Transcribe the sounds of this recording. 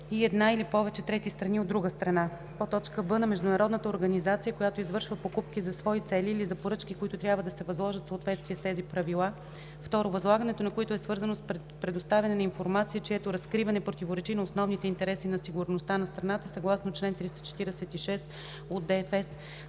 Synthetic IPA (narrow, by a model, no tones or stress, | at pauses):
iɛd̪nailipɔvɛt͡ʃɛt̪ɾɛt̪ist̪ɾɐniod̪ːɾuɡəst̪ɾɐna | pot̪ɔt͡ʃkəbɤnɐmɛʒd̪ʊnɐɾɔd̪nət̪əoɾɡɐnizat̪sijəkojat̪oizvɤɾʃvəpokupkizɐsvɔit̪sɛliːlizɐpoɾɤt͡ʃkikoit̪ʊt̪ɾʲjabvəd̪ɐsɛvɐzlˠɔʒət̪səot̪vɛt̪st̪viɛst̪ɛzipɾɐvilˠa | ft̪ɔɾovɐzlˠaɡɐnɛt̪onɐkoit̪oɛsvɤɾzənos | pɾɛd̪ost̪avʲɐnɛnɐinfoɾmat̪siət͡ʃɛɛt̪oɾɐskɾivɐnɛpɾot̪ʲivoɾɛt͡ʃinɐosnɔvnit̪ɛint̪ɛɾɛsinɐsiɡuɾnost̪anɐst̪ɾɐnat̪əsɐɡlˠasnot͡ʃlɛnt̪ɾist̪ə̥t͡ʃɛ̥t̪iɾɛsɛt̪iʃɛs | od̪d̪ɛfɛs